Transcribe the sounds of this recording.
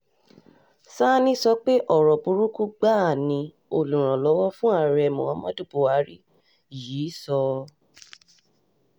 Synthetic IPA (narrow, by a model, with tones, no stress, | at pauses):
sa˦nĩ˦sɔ˧k͡pe˦ʔɔ˨ɾɔ˨bu˧˦ɾu˦ku˦ɡ͡ba˦˨nĩ˧ | o˨lũ˨ɾ̃ã˨lɔ˨˦wɔ˦fũ˦a˦˨ɾɛ˨mɔ̃˨wɔ̃˧˦mɔ̃˦du˦˨bo˨wa˨˦ɾi˦ | jiː˨˦sɔ˧